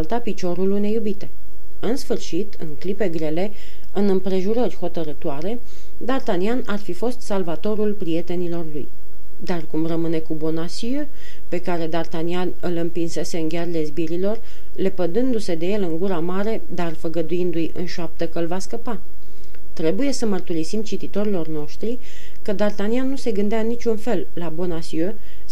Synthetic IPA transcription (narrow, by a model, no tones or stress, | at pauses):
lt̪apit͡ʃo̞ɾulune̞jubit̪e̞ | ɨnsfɨrʃit̪ɨ̰ŋklipe̞ɡɾe̞le̞ | ɨnɨmpɾe̞ʒuɾərʲho̞t̪əɾɨt̪oaɾe̞ | d̪art̪anianarfifo̞st̪salvat̪o̞ɾulpɾije̞t̪e̞nilo̞rlṵj | d̪arkumrəmɨne̞kubo̞nasie | pe̞kaɾe̞d̪art̪anianɨlɨmpinse̞se̞ɨŋɡʲarle̞zbiɾilo̞r | le̞pəd̪ɨnd̪use̞d̪e̞je̞lɨŋɡuɾamaɾe̞d̪arfəɡəd̪uind̪ujɨ̰nʃap̚t̪əkəɨlvaskəpa | t̪ɾe̞buje̞səmərt̪uɾisimt͡ʃit̪it̪o̞ɾilo̞rno̞ʃt̪ɾi | kəd̪art̪anianːuse̞ɡɨnd̪eaɨnːit͡ʃʲunfe̞lːabo̞nasiø